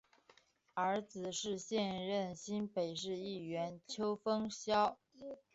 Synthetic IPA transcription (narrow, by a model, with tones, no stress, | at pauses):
ə˞˧˥t͡sɹ̩˨˩ʂɻ̩˥˧ɕjɛ˥˧nɻə˥˩nɕi˥npe˨˩ɪʂɻ̩˥˧i˥˩ɥɛ˧˥nt͡ɕʰjo˥ʊfɤ˥ŋɕjɑ˥ʊ